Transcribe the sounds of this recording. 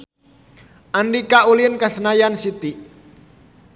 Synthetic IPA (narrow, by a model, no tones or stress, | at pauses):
ʔandikaʔulinkasənajansit̪i